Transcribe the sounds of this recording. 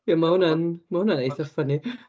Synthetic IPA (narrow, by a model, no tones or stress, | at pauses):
iamahʊnanmahʊnanejθəfəni